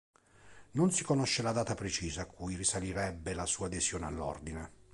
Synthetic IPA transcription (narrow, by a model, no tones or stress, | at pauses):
nonsikonoʃːelad̪aːt̪apɾet͡ʃiːzaːkʰːujrisaliɾɛbːelasuːad̪ezjoːnealːɔ̰rd̪ine